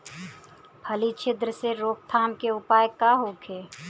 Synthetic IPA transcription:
pʰəlit͡ʃʰɪd̪ɾəseɾoːk̚t̪ʰaːmkeʊpaːjkaɦoːkʰeː

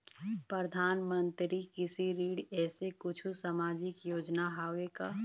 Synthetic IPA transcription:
pɾəd̪ʱaːnmə̃nt̪ɾikɪsiɾiːɽɛːsekʊt͡ʃʰusamaːd͡ʒɪkjoːd͡ʒnaɦaːweka

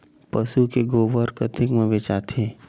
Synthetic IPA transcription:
pəsukeɡoːʋəɾkɐt̪ʰɪkmẽʋet͡ʃaːt̪ʰeː

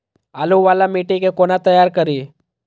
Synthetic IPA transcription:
aːluʋaːlamiːʈikekonat̪əjaːɾkəɾi

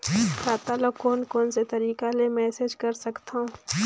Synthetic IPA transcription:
saːt̪alokoːnkoːnset̪ɐɾiːkalemɛːseːd͡ʒkɐɾsɐkt̪aũ

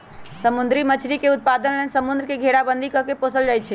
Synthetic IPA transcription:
səmund̪ɾimət͡ʃʰɾikeut̪̚pad̪ənlensəmund̪ɾəkeɡʱeɽabənd̪ʱikəkeposəld͡ʒajt̪̚t͡ʃʰɛ

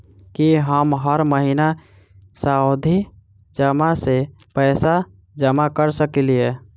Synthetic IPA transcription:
kiɦəmɦəɾməɦina | saod̪ʱi | d͡ʒəmase | pɛːsa | d͡ʒəmakəɾsəkilie

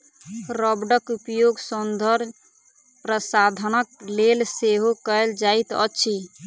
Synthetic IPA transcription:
ɾəbɖəkupjoɡsənd̪ʱəɾ | pɾəsad̪ʱənəklelseɦokəld͡ʒait̪ə̰tːʃʰi

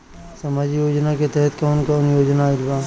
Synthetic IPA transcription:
sɐmad͡ʒjoːd͡ʒnaket̪ɛɦɛt̪kɔːnkɔːnjoːd͡ʒnaɪɾʋa

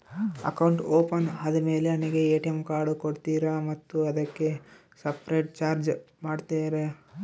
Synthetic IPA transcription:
ɐ̰kɐwɳʈoːpɐnɐd̪ɐme̞ːle̞ɐniɡe̞eːʈijemkaːɾɖukoɽt̪iːɾɐmɐt̪ːuɐd̪ɐkːe̞ | sɐpɾejʈ̚t͡ʃaːɾd͡ʒ | maːɖt̪eːɾe

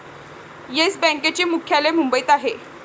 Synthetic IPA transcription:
jesbɛ̃ŋket͡ɕiːmukʰjalemumbəit̪aɦe

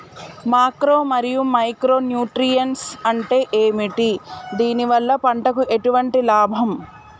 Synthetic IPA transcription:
maːkɾoːmɐɾijumɐjkɾo̞ːnjuːʈɾijɐnsɐɳʈe̞ːʔeːmiʈid̪iːniʋɐlːɐpɐɳʈɐkuʔe̞ʈuʋɐɳʈilaːbʱɐm

